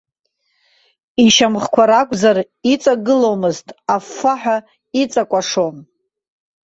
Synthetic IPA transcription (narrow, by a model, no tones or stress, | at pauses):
iʃamχkʷʰaɾakʷʼʰzar | it͡sʼaɡɨlowmɨztʼafːaħʷᶣa | it͡sʼakʷʼaʂom